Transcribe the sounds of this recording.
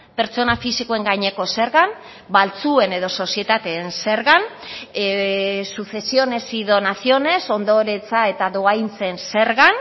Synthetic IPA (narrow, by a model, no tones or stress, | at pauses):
pe̞ɾt͡so̞nafisikoeŋɡajɲe̞ko̞se̞ɾɣan | balt͡sue̞ne̞ðo̞so̞sie̞t̪at̪eːnse̞ɾɣan | suθe̞sio̞ne̞siðo̞nasio̞ne̞so̞nd̪o̞ɾe̞t͡sae̞t̪aðoajnt͡se̞nse̞ɾɣan